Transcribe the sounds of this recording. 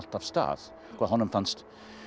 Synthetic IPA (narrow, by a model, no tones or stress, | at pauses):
lt̪ʰav̥sta̰ːθ | ɡ̥wahɔnəmfanst